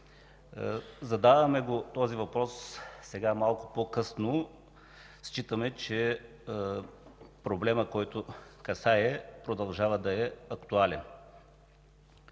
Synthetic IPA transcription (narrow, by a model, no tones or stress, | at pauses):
zɐd̪avɐmɛɡot̪ɔzivɐpɾɔssɛɡamalˠkʊ̥pokɤsno | st͡ʃit̪əmɛt͡ʃɛ | pɾoblɛməkɔjt̪ʊkɐsaɛpɾod̪ɐlˠʒavəd̪ɐɛɐkt̪ualɛn